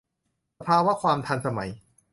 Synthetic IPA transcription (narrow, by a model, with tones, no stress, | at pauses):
pʰaː˧wa˦˥kʰwaː˧mt̪ʰa˧nsa˧ma˩˦j